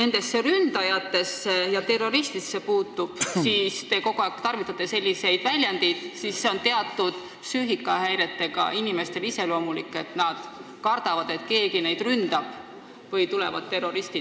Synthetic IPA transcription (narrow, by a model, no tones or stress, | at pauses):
ne̞nd̪e̞sːe̞ɾynd̪ɑjɑt̪ːe̞sːe̞jɑt̪e̞ro̞ɾist̪isːe̞puːt̪ːˑub̥siːst̪e̞ko̞ɡ̥oæˑkt̪ɑrvit̪ːˑɑt̪ːˑe̞se̞lʲːise̞jd̪̥vælʲjɑnd̪id̪̥sisːe̞o̞nt̪e̞ɑt̪ːˑud̪̥ | syːɦikːˑɑhæjɾe̞t̪ːe̞ɡ̥ɑ̰ʔinime̞st̪e̞lise̞lo̞ːmulikːˑe̞t̪nɑd̪̥ | kɑrd̪̥ɑvɑd̪̥e̞t̪ke̞ːɡinejd̪rynd̪̥ɑb̥ | vɤjt̪ule̞̰vɑd̪̥t̪e̞rːo̞ɾist̪i